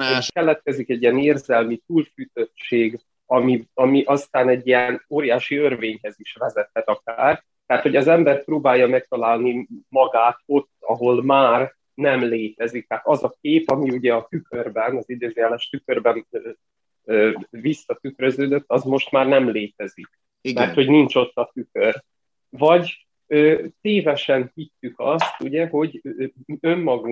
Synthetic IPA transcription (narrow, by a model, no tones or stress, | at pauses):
kɛlɛt̪̚kɛzikɛɟːijɛneːrzɛlmit̪uːlfyt̪ø̞tt͡ʃeːɡ | ɒmiɒmiʔɒst̪aːnɛɟːiɛnoːɾijaːʃiørveːɲɦɛziʃʋɛzɛt̪hɛt̪ɒkaːr | t̪ɛaːt̪ho̞ɟɒzɛmbɛrpɾoːbaːjːɒmɛk̚t̪ɒlaːlnimɒɡaːt̪o̞t̪ːɒ̰ɦo̞lmaːr | nɛmleːt̪ɛzik̚t̪aːt̪ɒzɒkeːpɒmiuɟɛɒt̪ykørbɛnɒzid̪øːzjɛlɛʃt̪ykørbɛnø | øːvisːɒt̪ykɾø̞zøːd̪øt̪ːɒzmo̞ʃt̪maːrnɛmleːt̪ɛzik̚ | mɛrt̪ho̞ɟniɲt͡ʃo̞t̪ːɒt̪ykør | vɒɟ | øːt̪eːvɛʃɛnhit̪ːykɒst̪uɟɛɦo̞ɟ | ømːɒɡu